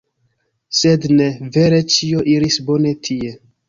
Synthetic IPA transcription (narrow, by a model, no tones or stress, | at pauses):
se̞dne̞ve̞ɾe̞t͡ʃio̞ʔiɾisbo̞ne̞tʰie̞